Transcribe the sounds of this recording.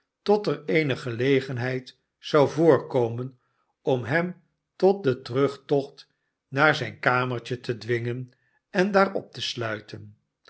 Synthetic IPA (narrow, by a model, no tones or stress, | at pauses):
tɔtərejnəχəlejχənɦɛjt | sɑwvʊːɹkowmən | ɔmɦɛm | tɔt̚dətərɵχtɔχt | naːɹzɛjnkaːməɹt͡ʃətədʋɪŋən | ɛndaːɹɔ̰p̚təslœɥtʰən